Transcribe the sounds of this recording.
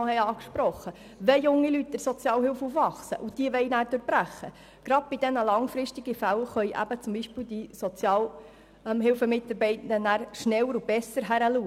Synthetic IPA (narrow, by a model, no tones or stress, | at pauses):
hɛɑːkʃpɾɔχːə | ʋɛjʊŋːilyt̚d̥əɾsɔt͡sjɑːlhɪlfufʋɑχsəʔud̥iəʋɛɪnæːɾdøːɾb̥ɾæχːə | ɡ̥ɾɑd̪̚b̥id̥̪ɛnəlɑŋfɾɪʃtiɡ̥ifælχœjʔæ̰b̥ət͡sʊmbiʃpɪːld̪isɔt͡sjɑːl | mɦɪlfəmɪtːɑɾbɛɪtn̩d̥ənæːɾʃnɛlːəɾub̥ɛsːəɾɦæɾəluːə